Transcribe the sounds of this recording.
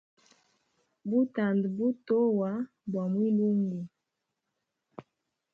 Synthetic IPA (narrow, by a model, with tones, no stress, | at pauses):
bu˦ta˨ndbu˦to˦wa˨˦ | bɔ˨mwi˦lu˦ŋɡi˨